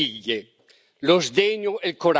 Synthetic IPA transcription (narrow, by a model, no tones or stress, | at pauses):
iɣe | lozd̪eɲoelkoɾ